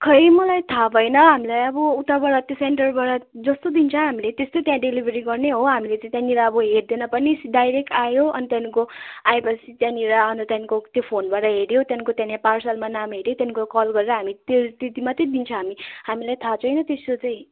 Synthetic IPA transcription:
kʰʌjmʌlajt̪ʰabʱʌjnʌɦamilajʌbʌut̪abʌɽʌt̪joseɳʈʌrbaʈʌd͡zʌst̪od̪int͡sʰʌ̃ɦamilet̪est̪ot̪jãɖelibʱeɾiɡʌrneɦoɦamilet͡sʌĩt̪jãniɾaʌbʌɦeɽd̪enʌpʌnisɖajɾek̚ʈajoʌnit̪janikoaepʌt͡sʰit̪jãniɾaʌnt̪ʌt̪janikot̪jopʰonbaʈʌɦeɽjot̪janikot̪jãnãparsʌlmanamɦeɽjot̪janikokʌlɡʌɾeɾʌɦamit̪ost̪it̪imat̪ʌ̃d̪int͡sʰʌ̃ɦamiɦamilajt̪ʰat͡sʰʌjnʌt̪est̪ot͡sʌ̃j̃

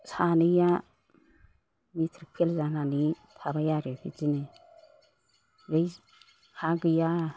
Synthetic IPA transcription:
sanɯja | mitʰɾpʰelzanani | tʰabajaɾebʰizinɯ | ɾej | kʰaɡɯja

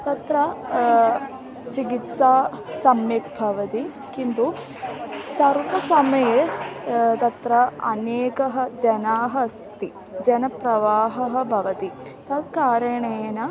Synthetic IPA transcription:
t̪ɐt̪ɾɐ | t͡ʃiɡit̪saːsɐmjik̚bʱɐʋɐt̪i | kint̪u | sɐɾʋɐsɐmɐje | t̪ɐt̪ɾɐɐneːkɐɦɐd͡ʒɐnaːɦɐst̪i | d͡ʒɐnɐpɾɐʋaːɦɐɦɐ̆bʱɐʋɐt̪it̪ɐt̪kaːɾɐɳeːɐnɐ

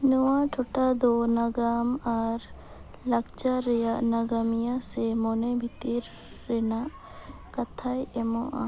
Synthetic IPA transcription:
nuwãʈʰoʈad̪onaɡaːmaɾ | lɐkt͡ʃaɾɛjanaɡamijãsemonebʱit̪iɾː | ɛnaʔ | kɐt̪ʰajɛmõʔa̰

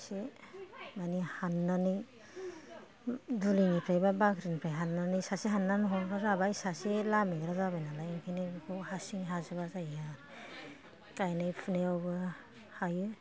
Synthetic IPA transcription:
se | manihanːanɯj | dulinipʰɾajbabakʰɾinpʰɾajɦanːanisaseɦanːanɦɔnɾazabaisaselameɡɾazabajnalajeŋkʰinekʰuhasiŋɦazabazaja | kajnajpʰɯneawbɯ | hajɯ

